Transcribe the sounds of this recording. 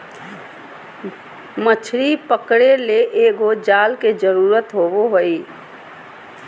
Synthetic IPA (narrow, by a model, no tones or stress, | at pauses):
mət͡ʃʰɾipəkɽeleʔeːɡod͡ʒaːlked͡ʒəɾuːɾət̪ɦoboɦoi